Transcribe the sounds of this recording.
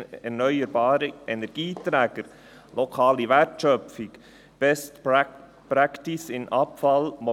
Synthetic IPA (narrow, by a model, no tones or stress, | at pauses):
ɛɾnœʏəɾbɑːɾəʔɛnɛɾɡ̥iːtɾɛːɡ̥əɾ | lʔɔkʰɑːliʋɛtʃœfɪk | b̥ɛstp | pɾaktɪsɪnʔɑpfɑlmɔ